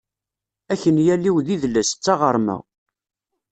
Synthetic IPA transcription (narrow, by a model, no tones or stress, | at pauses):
æçənjælːiwðiðləst͡sːɑʁəɾˤmæ̰